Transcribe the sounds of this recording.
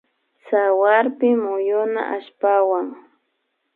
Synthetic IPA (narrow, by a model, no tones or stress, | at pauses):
sawaɾpɪmʊjʊna̰ʔaʃpawaŋ